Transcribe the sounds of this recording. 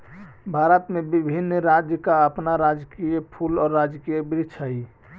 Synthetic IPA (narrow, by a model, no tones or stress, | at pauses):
bʱaɾət̪mebibʱinːɾad͡ʒjəkaəpnaɾad͡ʒkijəpʰulɔːɾːad͡ʒkijebɾit͡ʃʰəi